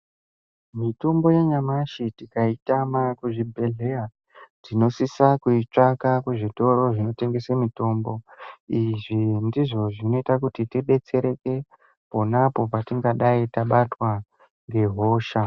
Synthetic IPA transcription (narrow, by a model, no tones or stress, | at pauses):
mito̞mbo̞jeɲamaʃitikaitamakuʐibʱe̞ɮe̞a | tino̞sisakuit͡ʂakakuʐito̞ɾo̞ʐino̞te̞ŋɡe̞semito̞mbo̞iʐindiʐo̞ʐino̞itakutitiɓe̞t͡se̞ɾe̞ke̞ | po̞napo̞patiŋɡaɗaitaɓatwa | ŋɡe̞ɦo̞ːʃa